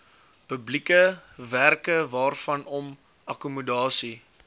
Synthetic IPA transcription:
pəblikəværkəvɑːrfɐnɔm | ɐkumədɑːsi

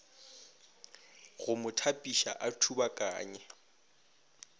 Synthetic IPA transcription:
ɣʊmʊtʰapʼiʃa̰ʔatʰubakʼa̰ːɲɛ

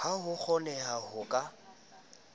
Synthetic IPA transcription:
haɦʊk͡xʰɔnɛhahʊkʼa

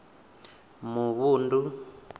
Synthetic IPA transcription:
muβuːndu

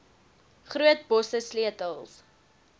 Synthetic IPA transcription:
χruətbɔsəsliətəlˠs

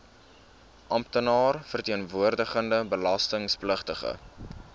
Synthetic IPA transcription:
ʔɐmptənɑːrfərtiənvuərdəχəndəbəlɐstəŋspləχtəχə̰

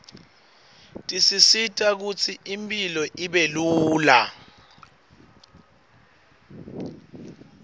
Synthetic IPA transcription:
tʼisisitʼak̬ut͡sʰiʔimpʼilɔʔiɓeluːla

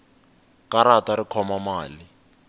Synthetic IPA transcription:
kaɾataɾikʰɔmamaːli

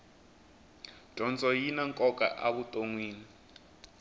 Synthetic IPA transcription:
d̥ʱɔnt͡sʼɔjinaŋkʼɔkʼa̰ʔaβutʼoŋwiːni

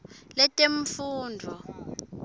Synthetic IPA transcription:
lɛtʼeɱfuːndʱɔ

